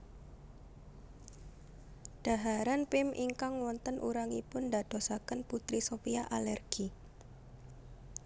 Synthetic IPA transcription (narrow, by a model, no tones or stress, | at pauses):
ɖ̥a̤ɦaɾanpɪmʔiŋkaŋwɔnt̪ənʔṵɾaŋipʊndad̥o̤sakənput̪ɾisopiaʔalɛrɡ̥i